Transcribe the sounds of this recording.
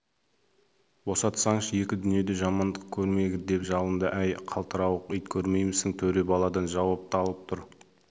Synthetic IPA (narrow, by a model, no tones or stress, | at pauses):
bo̞sɑt̪sɑɴʃəje̞kʲɪd̪ʏnije̞d̪e̞ʒɑmɑnd̪əq̚kʲʰɵɾme̞ɡʲɪd̪e̞pʒɑlˠənd̪əʔæjqʰɑlˠt̪ʰəɾɑwəqəjt̪kʲʰɵɾme̞jmɪzɪŋt̪ʰɵɾe̞bɑlˠɑd̪ɑnʒɑwɑp̚t̪ɑlˠəp̚t̪ʰʊɾ